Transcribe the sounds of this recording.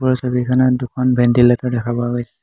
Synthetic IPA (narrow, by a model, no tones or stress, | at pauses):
ɔɹɔsobikʰanadukʰɔnbɛndilatɔdɛkʰabɔaɡojsɛ̥